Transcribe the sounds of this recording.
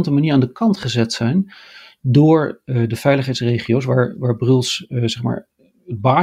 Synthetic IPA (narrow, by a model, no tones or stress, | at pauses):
ntəmaniːɹaːndəkɑntχəzɛtsɛjn | dʊːɹdəv̥ɛjləχɦɛjtsrejχiows̬ʋaːɹʋaːɹbrɵlˠszɛχma̰ːɹ | əd̚baː